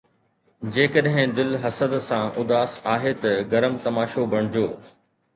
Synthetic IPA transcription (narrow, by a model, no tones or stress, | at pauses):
d͡ʑeːkəɗɦɪ̃d̪ɪlɦɐsəd̪sãʔʊd̪aːsaːɦet̪ɐɡɐɾəmt̪ɐmaːʃobɐɽ̃d͡ʑoː